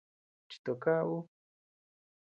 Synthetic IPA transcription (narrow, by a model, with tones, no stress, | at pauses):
t͡ʃi̥˨t̪o˨ka˦wu˦